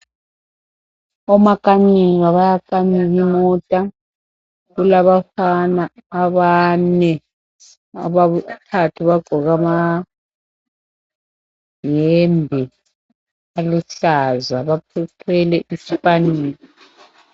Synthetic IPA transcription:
ɔmakʼaɲiɣaβajakʼaniɣimɔːtʼa | ɣulaβafanaːβanɛ | aβaβutʰatʰuβaɡ͡ǃʱɔɣama | jɛmbʱi | aluɬazaβapʰɛtʰɛlɛʔisipʼaniːni

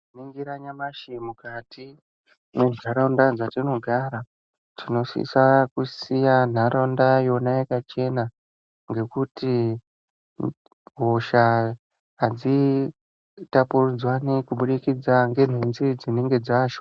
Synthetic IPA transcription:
niŋɡiɾaɲamaʃimukatʰi | menzaɾandad͡zatino̞ɡʱaːɾa | tʰino̞sḭsakusijan̤aɾʔandajo̞najekat͡ʃe̞na | ŋɡe̞kuti | ɦoʃa | ɦad͡zi | tapurud͡zwanikuɓuɗikid͡zaŋɡe̞n̤enzid͡zineŋɡe̞d͡zaːʃo

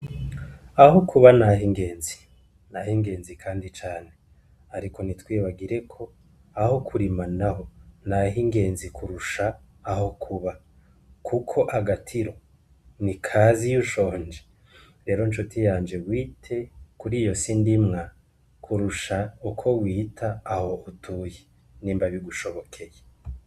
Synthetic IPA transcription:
ahokʰuβanaɦiŋɡe̞ːnzi̥ | nahiŋɡe̞ːnzikʰaːndit͡ʃaːne̞ | aɾiko̞nitwiːβaɡiɾe̞kʰo̞ | aho̞kʰuɾimanaɦo̞naɦiŋɡe̞ːnzikʰuɾuʃaː | hokʰuβa | kʰukʰo̞ʔaɡatʰiɾo̞ | nikʰazijuʃo̞ːnd͡ʒe | ɾe̞ːɾo̞nʃotijaːnd͡ʒe̞wiːtʰe̞kuɾiːjo̞sindimŋa | kʰuɾuʃaukʰo̞wiːtʰaːho̞ʔutʰuje | niːmbaβiɡuʃo̞βo̞kʰe̞je

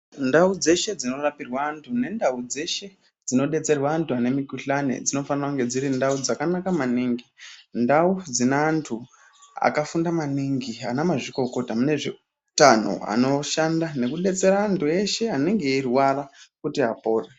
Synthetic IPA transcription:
ndaud͡ze̞ʃe̞d͡zino̞rapirwaːntʰune̞ndaud͡ze̞ʃe̞ | d͡zino̞ɗe̞t͡se̞rwaːntʰuane̞mikuɬanḛd͡zino̞fanirauŋɡe̞d͡ziɾindaud͡zakanakamaniːŋɡindaud͡zinaːntʰu | a̰kafundamaniŋɡianamaʐiko̞ko̞tamune̞ʐe | tan̤o̰a̰no̞ʃandane̞kuɗe̞t͡se̞ɾaːntue̞ʃe̞ane̞ŋɡe̞irwarakutiɦapo̞ːre

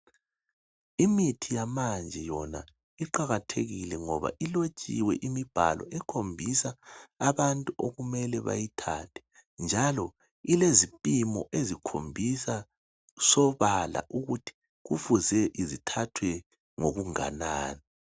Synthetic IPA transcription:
imitʰijamand͡ʒʱɛjɔna | iǃaɣatʰḛɣilɛŋɔβa̰ʔilot͡ʃʼḭwɛʔimib̥ʱa̰lʔɔ̰ʔɛkʰombʱisaːβantʼuoɣumɛlɛβa̰jitʰa̰tʰɛ̥ | nd͡ʒʱalɔ | ilezipʼimɔʔezikʰombʱisa | sɔβala̰ʔuɣutʰi̥ | ɣufuzɛʔizitʰatʰwɛ | ŋoɣuŋa̰naːni

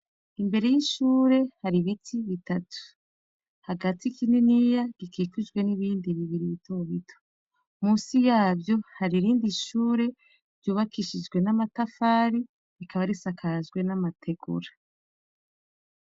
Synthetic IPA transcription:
imbe̞ɾe̞jiʃuːɾe̞haɾiβitʰiβitatʰu̥ | haɡatikininijaɡ̥ikʰikud͡ʒɡwe̞niβiːndiβiβiɾiβitʰoβitʰo̥ | muːsijaːbjo̞haɾiɾiːndiʃuːɾe̞ | ɾɟuːβakiʃid͡ʒɡwe̞namatafaːɾi | ikʰaβaɾisakʰazɡwe̞namatʰe̞ɡṵɾa

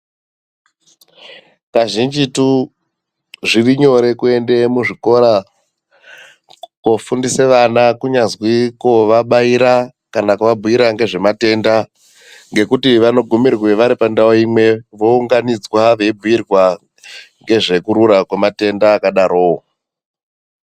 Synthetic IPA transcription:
kaʒind͡ʒitu | ʐiriɲo̞ɾe̞kue̞nde̞muʐiko̞ɾa | kofundiseʋanakuɲazwikoʋaɓaiɾa | kanakuʋabʱuiɾaŋɡe̞ʐe̞mate̞nda | ŋɡe̞kutiʋano̞ɡʱumirwe̞ʋaɾipandaoimwe̞ʋo̞uŋɡanid͡zwaʋe̞ibʱujirwa | ŋɡe̞ʐe̞kuɾuɾakwemate̞ndaːkaɗaɾo̞ː

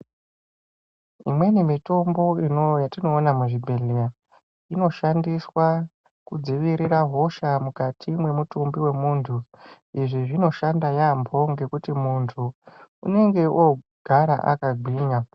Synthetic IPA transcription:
imwe̞nimito̞mbo̞inojatino̞ːnamuʐibʱe̞ɮeja | ino̞ʃandiswa | kud͡ziʋiɾiɾaɦo̞ʃamukatʰimwe̞mutumbiwe̞muːntʰu | iʐiʐino̞ʃandajambʰʱo̞ŋɡe̞kutimuntʰuṵne̞ŋɡe̞ʔoɡ̥ʱaɾa̰ʔa̰kaɡʱiːɲa

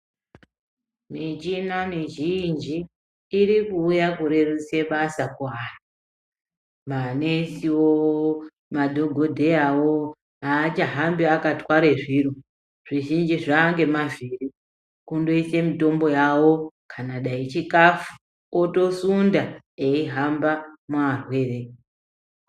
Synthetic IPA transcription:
mit͡ʃinamiʒind͡ʒiː | ɾikuːjakuɾe̞ruse̞ɓasakuɦara | manesiwo | madʱo̞ɡʱo̞dʱe̞jawo | aːt͡ʃaɦambiakatwaɾe̞ʐiro | ʐ̥iʒind͡ʒiʐaːŋɡe̞maviri | kundo̞ise̞mito̞mbo̞jawo̞kʰanaɗait͡ʃikafu̥ | oto̞sunda | eiɦambamuarwe̞ːre̞

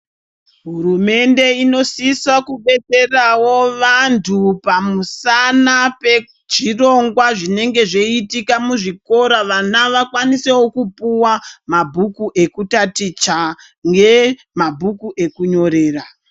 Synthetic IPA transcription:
ɦuɾume̞nde̞ino̞siswakuɓe̞t͡se̞rawo̞ʋantʰupamusanape | t͡ʃiro̞ŋɡwaʐine̞ŋɡe̞ʐe̞itikamuʐiko̞ɾaʋanaʋakwanise̞wokupuwamabʱukuʔe̞kutatit͡ʃa | ŋɡe̞ | mabʱukuʔe̞kuɲo̞ɾe̞ːra

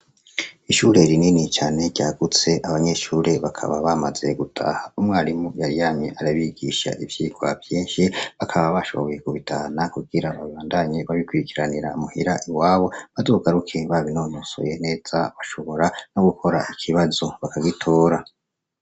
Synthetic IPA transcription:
iʃuɾe̞ɾininit͡ʃaːne̞dɟaːɡut͡se̞ʔaβaɲe̞ʃuːɾe̞βakʰa̰βaβamaze̞̰ɡutʰa̰haumŋaːɾimujaɾijamɲeʔaɾaβiɡiʃa̰ʔivjiːɡwa̰vjeːnʃiβakʰaβaβaʃo̞̰βoje̞kuβitʰahanakuɡiɾaβaβiβaːndaɲeβaβikwiɾikiɾaniɾaumuhiɾaʔiwaːβo̞βazoːɡaɾukʰe̞βaβinonoso̰jene̞ːz̥aβaʃo̞βo̞ɾano̞ɡukʰo̞ɾaikʰiβazo̞βakaɡitʰo̞ːɾa

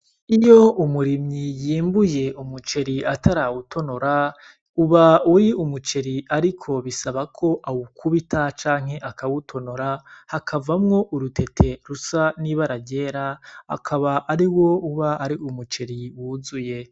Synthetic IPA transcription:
ijoumuɾimɲijiːmbuje̞ʔumut͡ʃe̞ɾiatʰaɾawutʰo̞noɾa | uβauɾiumut͡ʃe̞ɾiaɾikʰo̞βisaβakʰo̞ʔawukʰuβitat͡ʃaːŋ̥he̞ʔakʰawutʰo̞noɾahakʰavamŋo̞ʔuɾutʰe̞tʰe̞ɾusaniβaɾaɟe̞ːɾaa̰kʰaβaʔːɾiwo̞uβaaɾiumut͡ʃe̞ɾiwuzuje̞

